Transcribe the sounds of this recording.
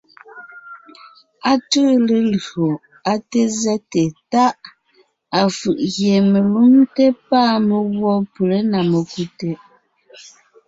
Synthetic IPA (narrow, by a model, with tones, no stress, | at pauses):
a˦tə˦le˨lɰo˨ | a˦te˦zɛ˦te˨ta˦ʔ | a˨fɯ˨ʔɣje˨me˨lu˦mte˦paː˦mə˨ɣwɔ˦pu˨le˦na˨mə˨ku˦te˨